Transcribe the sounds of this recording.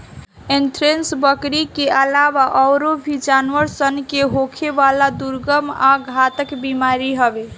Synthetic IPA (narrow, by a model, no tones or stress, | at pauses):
enʈɾensbəkɾikeʔəlawaʔɔɾobʱid͡ʒanʋəɾsənkeɦokʰebalad̪uɾɡəmaɡʱat̪əkbimaɾiɦəbe